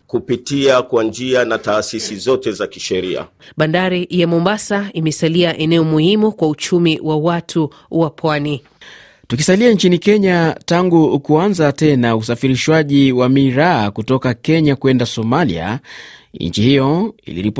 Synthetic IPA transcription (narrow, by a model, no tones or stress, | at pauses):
kupitiakwand͡ʒianataːsisizɔtɛzaki̥ʃɛɾia̰ | ɓandaɾijamɔmbasaimɛsaliaʔɛnɛɔmuhimukwaut͡ʃumiwawatʰu | wapʰwani | tukisaliant͡ʃinikɛɲataŋɡukuanzatɛnaus̬afiɾiʃwaʄiwamiɾaːkutɔkakɛɲakuɛndasɔmalḭa̰ | ḭɲt͡ʃihijɔḭlḭɾip